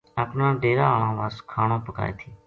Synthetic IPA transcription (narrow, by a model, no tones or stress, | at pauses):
aːpnãːɖeːɾaːaːɭãːʋaːskʰaːɳõːpəka̰ːḛːt̪ʰiː